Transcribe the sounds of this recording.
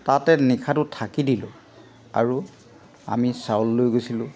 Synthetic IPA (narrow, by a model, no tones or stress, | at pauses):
tatɛnikʰatʊtʰakidilʊ̰̃ | a̰ɹu | a̰misawlːojɡojsilʊ̃